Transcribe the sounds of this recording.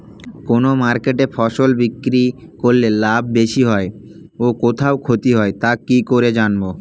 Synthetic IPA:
konomaɾkeʈefʰɔʃolbikːɾi | koɾlelabʱbeʃiɦɔe | okot̪ʰaokʰot̪iɦɔet̪akikoɾed͡ʑanbo

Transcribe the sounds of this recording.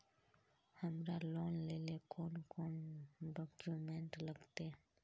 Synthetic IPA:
həmɾaloːnleːlekoːnkoːnɖɔːkjuːmẽːɳʈləɡt̪eː

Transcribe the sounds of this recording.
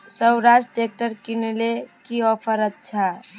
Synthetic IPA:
səwɾasʈʈek̚ʈəɾkinelekiɔpʰəɾət̪̚t͡ʃʰa

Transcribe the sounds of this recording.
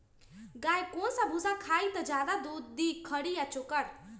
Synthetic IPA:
ɡajkõsabʱusakʰaːit̪əd͡ʒaːd̪ad̪ud̪ːikʰəɽijat͡ʃʊkəɽ

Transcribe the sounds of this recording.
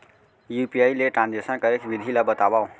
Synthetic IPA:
jupijajleʈɾãnd͡ʒesənkaekbid̪ʱilabət̪abaw̃

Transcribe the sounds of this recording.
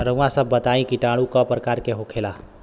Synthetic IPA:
ɾəʋãsəbːət̪aĩkiʈaɽ̃ukɔpɾəkaɾkeɦokʰela

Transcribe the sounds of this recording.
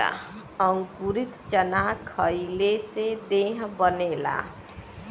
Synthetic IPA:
a̰ʌŋkuɾit̪t͡ʃʌnakʰʌjlesed̪eɦbʌnela̰

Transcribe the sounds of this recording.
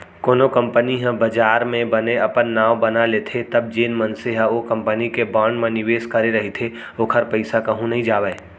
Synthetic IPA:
koːnokɐ̃mpəniɦə̃bɐd͡ʒaːɾmẽbɐneɐpənːaːʋbɐnaleːt̪ʰet̪ɐb̚d͡ʒeːnmɐnseɦãokɐ̃mpənikebaːɳɖmẽnɪʋeːskɐɾeɾɐɦit̪ʰe | oːkʰɐɾpəɪsakɐɦũnɐɦĩd͡ʒaːʋɛe

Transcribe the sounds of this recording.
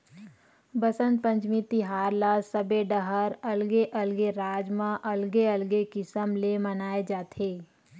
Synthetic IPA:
bəsə̃nt̪̚pə̃ɲt͡ʃmit̪iɦaːɾlasəbeɖəɦəɾɐlɡeʔɐlɡeɾaːd͡ʒmãʔɐlɡeɐlɡekɪsəmlemənaːed͡ʒaːt̪ʰeː

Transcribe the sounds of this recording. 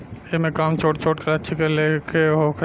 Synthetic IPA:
emẽkaːmt͡ʃʰoːʈt͡ʃʰoːʈkɐɐtːʃʰikelekʰeɦokʰ

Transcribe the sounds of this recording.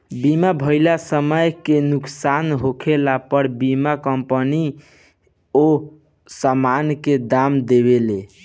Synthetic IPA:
bimabʱəɪlasəməjkenuksanɦokʰelapəɽbimakəmpəni | o | samanked̪amd̪eβele

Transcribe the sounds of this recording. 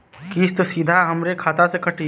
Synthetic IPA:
kist̪osiːd̪ʱaɦɐmɾekʰaːt̪asekʰɐʈi

